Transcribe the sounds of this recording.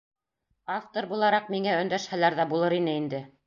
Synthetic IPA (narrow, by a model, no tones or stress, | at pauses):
aft̪oɾbulˠɑɾɑq̚miŋæɵ̆nd̪æʃhælæɾðæbulˠɤɾinɘind̪ɘ